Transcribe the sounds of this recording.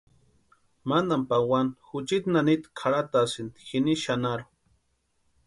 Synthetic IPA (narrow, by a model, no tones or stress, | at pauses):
mand̪ampawanxut͡ʃit̪nanit̪kʰaɽat̪aːsind̪i̥xiniʃanaɾu